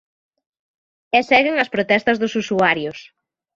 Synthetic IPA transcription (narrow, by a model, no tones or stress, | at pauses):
esɛɣeŋɐspɾot̪ɛst̪ɐzðʊsusuaɾjʊs